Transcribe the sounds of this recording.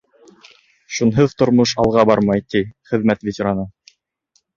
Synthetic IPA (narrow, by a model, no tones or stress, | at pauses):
ʃunɦoðt̪ŏɾmoʃɑlˠʁɑbɑɾmɑjt̪iχɘ̆ðmæt̪vʲetʲeɾanɤ